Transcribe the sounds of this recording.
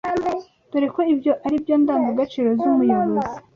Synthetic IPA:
d̥uɾe̞koibjo̞ʔaɾibjoːndaːmɡoɡat͡ʃiːɾo̞zumujoβozi

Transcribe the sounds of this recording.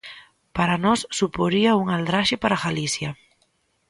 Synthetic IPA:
paɾanɔsːupoɾiauŋald̪ɾaʃɪpaɾaɣalisjɐ

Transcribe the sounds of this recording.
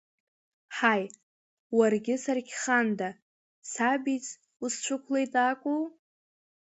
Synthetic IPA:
ħaj | warɡʲɪsarkʲʰχanda | sabit͡sʼ | ust͡ʃʷʰʊkʷʰlejtʼakʷʼow

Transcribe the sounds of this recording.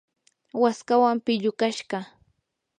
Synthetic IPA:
waskawampɪʎʊkaʃɢɑ

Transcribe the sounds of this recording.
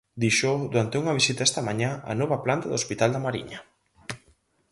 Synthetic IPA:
d̪iʃoðuɾant̪euŋɐβisit̪aɛst̪ɐmaɲãa̰nɔβɐplant̪aðospit̪ald̪amaɾḭɲa

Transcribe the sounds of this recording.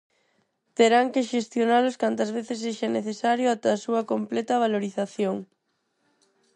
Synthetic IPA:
t̪eɾaŋkeʃest̪jonaloskant̪ɐzβeθeseʃaneθesaɾjoat̪easuɐkomplɛt̪ɐβ̞aloɾiθaθjoŋ

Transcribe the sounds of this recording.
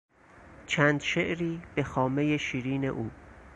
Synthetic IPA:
t͡ʃʰæːnd̪ʃeʔɾiːb̥e̞xɒːme̞je̞ʃiːɾiːne̞ʔuː

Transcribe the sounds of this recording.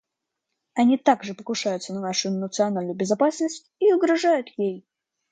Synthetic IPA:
ɐnʲit̪aɡʐɨpəkʊʂajʊt̪sənɐnaʂʊjnət̪sɨɐnalʲnəjbʲɪzɐpasnəsʲtʲiʊɡɾɐʐajʊt̪jej

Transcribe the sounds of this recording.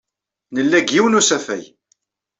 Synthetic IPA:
nəlːæɡːiwənusæfæ̰j

